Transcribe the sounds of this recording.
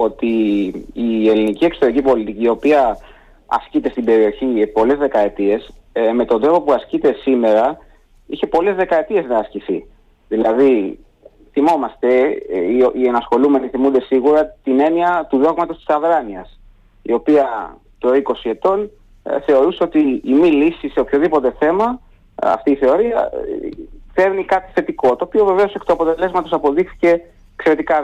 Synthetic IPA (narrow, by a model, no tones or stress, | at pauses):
o̞t̪iː | e̞linicie̞ksot̪eɾicipo̞lit̪iciːo̞piɐ | ɐ̰scit̪e̞st̪ibe̞ɾio̞çipo̞le̞zðe̞kɐe̞t̪ie̞s | me̞t̪o̞nd̪ɾovo̞puɐscit̪e̞sime̞ɾɐ | içe̞po̞le̞zðe̞kɐet̪ie̞znɐːsciθi | ðilɐði | θimo̞mɐst̪e̞ | ienɐsxo̞lume̞niθimund̪e̞siɣuɾɐt̪ine̞niɐt̪uðo̞ɣmɐt̪ot̪i̥sɐðɾɐniɐ̰s | ḭo̞piɐ | t̪oiko̞sie̞t̪o̞n | θe̞o̞ɾuseo̞t̪iːmilisiseopço̞ðipo̞t̪e̞θe̞mɐ | ɐ̰ft̪iːθe̞o̞ɾiɐ̰ | fe̞ɾnikɐt̪i̥θe̞t̪iko̞t̪oːpio̞ve̞ve̞o̞sekt̪oɐpo̞t̪e̞le̞zmɐt̪o̞sɐpo̞ðixθi̥ce̞ | kse̞ɾe̞t̪ikɐ